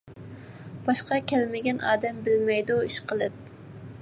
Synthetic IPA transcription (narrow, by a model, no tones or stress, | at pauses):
b̥ɑʃqɑkʲʰɛlmɪɡʲɛnɑ̰ːd̪ɛmbɪlmɛjd̪uiʃqəlˠɨp̚